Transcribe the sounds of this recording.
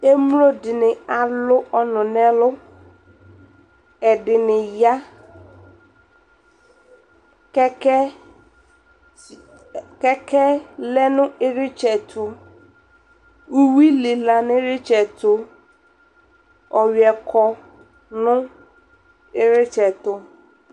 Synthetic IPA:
e˦mu˦lo˦dɪ˨nɪ̃˨a˨lʊ˦ʔɔ˦nʊ̃˨nɛ̃˦lʊ˦ | ɛ˨dɪ˨nɪ̃˨ja˦ | kɛ˦kɛ˦ | kɛ˦kʰɛ˦lɛ˦nʊ̃˦ɪ˦ɾɪ˦t͡ʃɛ˨tʰʊ˨ | u˦wi˦lɪ˨la˨nɪ̃˦ɾɪ˦t͡ʃɛ˨tʰʊ˦ | ɔ˨ɥɛ˨kʰɔ˨ | nʊ̃˦ | ɪ˦ɾɪ˦t͡ʃɛ˨tʊ˦

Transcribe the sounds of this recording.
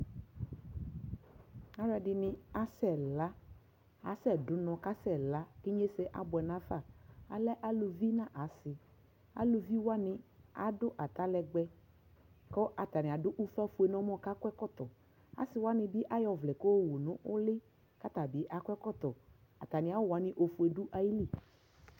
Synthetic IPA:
a˦ɾɛ˨dɪ˨nɪ̃˨a˨sɛ˨la˦ | a˨sɛ˦˨dʊ˨nɔ̃˨ka˦sɛ˦˨la˦kɪ˦ɲe˦sɛ˦ʔa̰˨bʊ˨ɛ˨nã˦fa˦˨a˨lɛ˦ʔa˦lo˨vi˦nã˦ʔa˨˦sɪ˨ | a̰˨lo˨vi˦wa˦nɪ̃˨a̰˦dʊ˦ʔa˨t̪a˦lɛ˨ɡ͡bɛ˦ | kɔ˦ʔa˨t̪a˨nɪ̃˨a˨dʊ˦ʔu˦fa˦fu˦ɛ˨nɔ̃˨˦mɔ̃˦˨ka˦kwɛ˦kɔ˦t̪ɔ˨ | a̰˨˦sɪ˨wa˦nɪ̃˨bɪ˦ʔa˦jɔ˨vlɛ˨ko˦˨wo˨nʊ̃˦ʔʊ˦lɪ˦ | ka˦t̪a˨bɪ˨˦ʔa˨kʷɛ˦kɔ˦t̪ɔ˨ | a̰˨t̪a˨nɪ̃˨a˨˦wa˨˦nɪ̃˨ʔo˨fu˨e˨dʊ˦ʔa˦ji˦li˦˨

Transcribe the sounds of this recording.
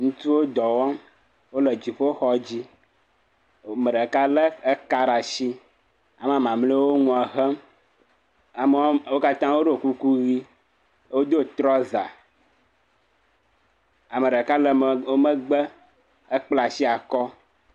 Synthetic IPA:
ŋũ˦t̪u˦wo˦d̪ɔ˨wɔ˦m | wo˦lə˨d͡ʑi˨ɸo˦o˦xɔ˦d͡ʑi˦˨ | mə˨ɖə˨ka˦lə˦ə˦ka˦ɾa˨ʃi˦ | a˨m˦a˨mã˨mle˦wo˦ŋũ˦a˨ɦə˦m | a˨m˦wo˦ka˦t̪ã˦wo˦ɖo˨ku˦ku˦ɣi˦ | wo˦d̪o˦t̪ɾɔ˦za̰˨ | a˨mə˨ɖə˨ka˦lə˨o˦mə˦ɡ͡bə˦ | ə˦k͡pla˨si˦a˨kɔ˦

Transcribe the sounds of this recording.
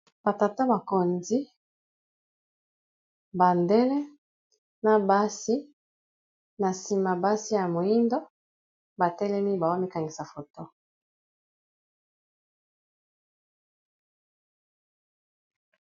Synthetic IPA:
b̥a˨ta˨ta˦ba˨ko˨nzi˦ | ba˨ndɛ˦lɛ˦ | na˨ba˦si˦ | na˨si˨ma˨ba˦si˦ja˨mo˨i˦ndo˦ | ba˨tɛ˦lɛ˦mi˦ba˨wa˦mi˦ka˨ŋɡi˨sa˨fo˨to˦

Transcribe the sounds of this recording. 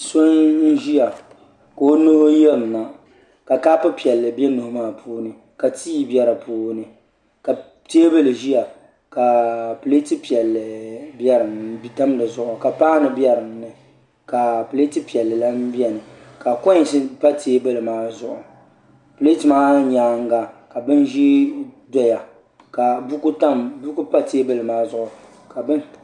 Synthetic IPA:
so˦n̩˦ʒi˦ja˨ | ko˨o˦nʊ˦hʊ˦jɛ˦lna˨ | ka˨ka˦pʊ˦pi˨ɛ˨lːɨ˨bɛ˦nʊ˨hʊ˦maː˦˨pʰuː˦nɨ˦ | ka˨tʰiː˦i˨˦bjɛ˦ɾa˨puː˦nɨ˦ | ka˨ | teː˦bɨ˦lɨ˨ʒi˦ja˨ | ka˨pɨ˨le˦ti˦pi˨ɛ˨lːɨ˨bjɛ˦ɾɨ˨m˦da˦m˦dɨ˨zʊ˦˨ʔʊ˨ka˨paː˦nɨ˨bɛ˦ɾɨ˨mnɨ˨ | ka˨pɨ˨le˦ti˦pi˨ɛ˨lːɨ˨la˦n̩˦bi˦ɛ˨nɨ˨ | ka˨kɔ˦ɲ˨sɨ˦pa˦tʰeː˦bɨ˦lɨ˨maː˦zʊ˦ʔʊ˨ | pɨ˨le˦ti˨maː˦ɲaː˨˦ŋ̩˦ɡa˨ka˨bɨ˦n˦ʒi˦dɔ˦ja˨ | ka˨bkta˦mbu˦ku˦pa˦teː˦bɨ˦lɨ˨maː˦zʊ˦ʔʊ˨ | ka˨bɨ˦n

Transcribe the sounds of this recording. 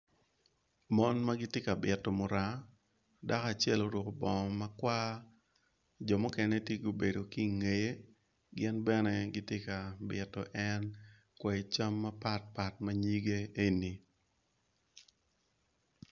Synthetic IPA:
mɔ˦nmaɡɪ˦tje˦ka˨bɪ˨tːɔ˨mʊ˨ɾa˦ | da˦ka˨t͡ʃɛ˦lo˦ɾʊ˨ko˦bɔ˨ma˦kwa˦ | d͡ʒɔ˨mo˦kɛ˦nɛ˦tje˦ɡo˨be˨do˨ki˦˨ŋe˨je˦ | ɡɪ˦nbɛ˦nɛ˦ɡɪ˦tje˦ka˨bɪ˨tːɔ̰˨ʔɛ˦n | kwɛ˨t͡ʃa˦mːa˦pa˦t̚pa˨tma˦ɲi˦ɡe˦e˦ni˨

